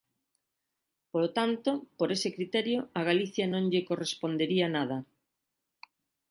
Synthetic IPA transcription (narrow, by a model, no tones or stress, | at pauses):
polot̪ant̪opoɾesekɾit̪ɛɾjoaɣaliθjɐnõŋʎekorespond̪eɾianað̞ɐ